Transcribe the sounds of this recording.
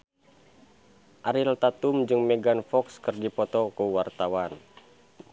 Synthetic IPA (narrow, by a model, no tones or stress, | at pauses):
ʔaɾilt̪at̪umd͡ʒɨŋmɛɡanfɔkskɨrdipɔt̪ɔkuwart̪awan